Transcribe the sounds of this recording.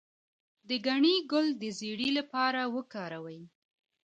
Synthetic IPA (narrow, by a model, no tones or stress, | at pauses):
d̪əɡaɳiɡʊld̪əzeɽilapɑɾawəkɑɾawəj